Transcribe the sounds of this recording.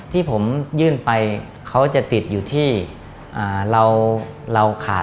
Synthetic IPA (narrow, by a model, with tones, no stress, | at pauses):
t̪ʰiː˥˩pʰo˩˦mjɯː˥˩npa˧j | kʰa˦˥wt͡ɕa˨˩t̪i˨˩t̪̚juː˨˩t̪ʰiː˥˩ | ʔaː˨˩ɾa˧wɾa˧wkʰa̰ː˨˩